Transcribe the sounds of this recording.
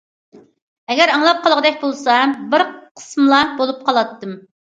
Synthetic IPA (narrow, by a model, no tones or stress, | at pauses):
ɛɡʲɛɾɑŋlˠɑp̚qʰɑlˠʁəd̪ɛk̚ʲbolˠsɑbɪɾqʰə̥smɨlˠɑbolˠup̚qʰɑlˠɑt̪ːɨm